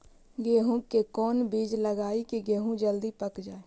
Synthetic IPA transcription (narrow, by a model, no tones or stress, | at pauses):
ɡeːɦũkekɔːnbiːd͡ʒləɡaːikiɡeːɦũd͡ʒəld̪ipəkd͡ʒaːe